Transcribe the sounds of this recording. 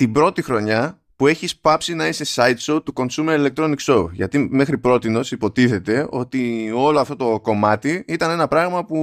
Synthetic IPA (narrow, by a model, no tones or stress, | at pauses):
t̪ibɾo̞t̪ixɾo̞ɲɐ | pue̞çispɐpsinɐise̞sɐjt̪sowt̪uko̞nsume̞ɾile̞k̚t̪ɾo̞niksoʝɐ̰t̪ime̞xɾipɾo̞t̪ino̞sipo̞t̪iθe̞t̪e̞o̞t̪io̞loɐft̪o̞t̪o̞ko̞mɐt̪iit̪ɐne̞nɐpɾɐɣmɐpu